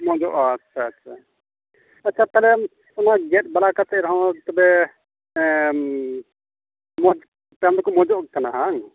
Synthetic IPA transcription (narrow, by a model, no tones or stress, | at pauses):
mɔ̃d͡ʒɔʔtːt͡ʃʰaːtːʃʰa̰ | ɐtːʰap̪aɦlɛ | ɔnaɡɛt̚balakat̪ɛɾɦɔ̃t̪ɔbɛ | mɔd͡ʒ | pɛmlkɔmɔd͡ʒɔʔkanaɦaŋ